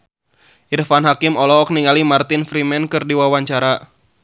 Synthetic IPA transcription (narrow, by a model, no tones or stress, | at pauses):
ʔirfanɦakɪmɔlɔːk̚niŋalimart̪ɪnfɾimɛnkɨrdiwawaɲt͡ʃaɾa